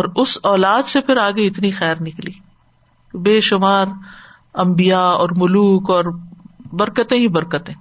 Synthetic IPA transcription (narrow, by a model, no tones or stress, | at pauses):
ɔːɾʊsɔːlaːd̪sepʰɪɾaːɡeɪt̪nixɛːɾnɪkliː | kbeːʃʊmaːɾ | ɐ̃mbijaɔːɾmʊluːkɔːɾbɐɾkət̪ẽɦibɐɾkət̪ẽː